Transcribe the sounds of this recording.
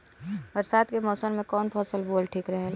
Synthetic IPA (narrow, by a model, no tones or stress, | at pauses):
bɐɾsaːd̪kemɔːsənmẽkɔːnpʰɔːsəlboːlʈʰiːkɾɐɦe